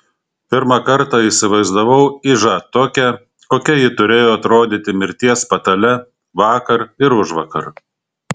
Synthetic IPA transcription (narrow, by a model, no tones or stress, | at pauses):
pʲɪɾmɑkɐɾt̪ɑːiˑsʲɪʋɐɪzd̪ɐʋɐʊɪʒɑt̪oːkʲɛ | koːkʲɛjɪt̪ʊɾʲeːjoːɐt̪ɾoːd̪ʲit̪ʲɪmʲɪɾʲt̪ʲiɛspɐt̪ɐlʲɛ | ʋɑːkɐɾɪɾʊʒʋɐkɐ̰ɾ